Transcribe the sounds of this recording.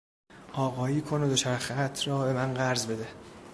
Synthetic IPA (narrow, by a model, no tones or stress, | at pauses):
ʔɒːɣɒːjiːkʰonod̪ot͡ʃʰæɾxæt̪ʰrɒːbe̞mænɢæɾzbe̞d̪e